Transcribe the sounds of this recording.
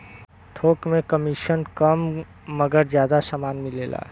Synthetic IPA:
ʈʰoːkmẽkəmiʃənkəmː | əɡəɾd͡ʒjaːd̪asaːmaːnmɪleːla̰ː

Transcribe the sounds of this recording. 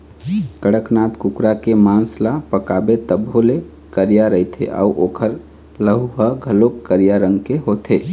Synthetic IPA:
kəɽəknat̪kukɾakemanslapəkabet̪əbʱɦole | kəɾijaɾəit̪ʰḛʔa̰uʔoːkʰəɾ | ləɦuɦəɡʱəlokəɾijaɾəŋɡkeɦot̪ʰe

